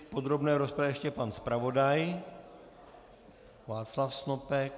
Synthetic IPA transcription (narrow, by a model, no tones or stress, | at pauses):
pod̪ɾobnɛːɾospɾɛʃcɛpanspɾavo̞daj | vaːt͡slafsnopɛk